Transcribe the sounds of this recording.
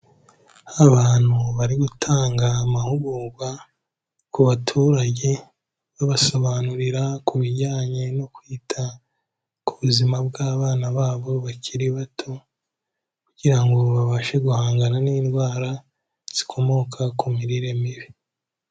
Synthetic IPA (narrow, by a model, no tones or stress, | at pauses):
aβaːn̥huβaɾiɡutʰaːŋɡaːmahuɡuɡwa | kuβatʰuːɾaɟe̞ | βaβaso̞βanuɾiɾakuβiɟaːɲe̞no̞kwiːtʰa | kuβuzimabɡaːβaːnaβaːβo̞βaciɾiβatʰo̞ | kuɟ̥iɾaŋɡo̞βaβaʃe̞ɡuhaːŋɡaɾaniːnɡwaːɾa | z̥i̥kʰo̞mo̞ːkʰakumiɾiɾe̞miβi